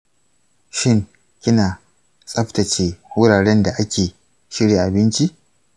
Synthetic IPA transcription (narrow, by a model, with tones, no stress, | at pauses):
ʃɪ˦˨ŋ | kʲɪ˦naː˨ | sʼɐ˦ɸtɐ˨t͡ʃeː˦wʊ˦ɽaː˨ɽɛ˦nda˨ʔa˦kʲeː˨ | ʃɪ˦ɽjeː˨ʔa˨bɪ˦nt͡ʃi˦ʔ